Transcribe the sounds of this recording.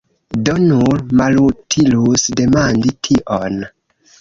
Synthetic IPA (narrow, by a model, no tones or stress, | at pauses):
donulmalutʰilusde̞manditʰiʔon